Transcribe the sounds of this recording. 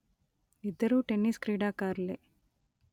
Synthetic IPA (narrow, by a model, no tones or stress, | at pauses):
id̪ːɐɾuʈenːiskɾiːɖaːkaːɾle